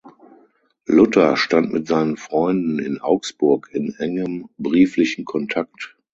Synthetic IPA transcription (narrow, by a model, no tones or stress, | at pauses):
lʊtɐʃtantmɪtz̥aɪnənfʁ̥ɔʏndn̩ɪnʔa̰ʊksb̥ʊɐkɪnʔɛŋəmbʁiːflɪçn̩kʰɔntʰak̚t